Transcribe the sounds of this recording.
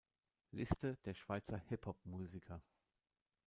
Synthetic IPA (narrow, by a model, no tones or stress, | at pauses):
lɪstəd̥eːɐʃv̥aɪt͡sɐhɪphɔp̚muːzikʰɐ